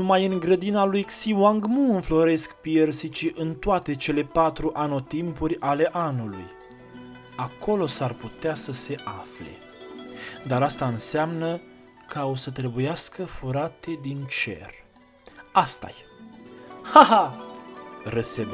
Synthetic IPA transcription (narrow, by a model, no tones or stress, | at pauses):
numajɨŋɡɾəd̪inalujksiwaŋɡmuɨnflo̞ɾe̞skpiersit͡ʃiʔɨnt̪oat̪e̞t͡ʃe̞le̞pat̪ɾuʔano̞t̪impurʲale̞ʔanuluj | ako̞lo̞sarput̪easəse̞ʔafle̞̰ | d̪aɾast̪aɨnseamnə | kəaosət̪ɾe̞bujaskəfuɾat̪e̞d̪int͡ʃe̞̰r | ast̪a̰j | haɦa | rəsed̪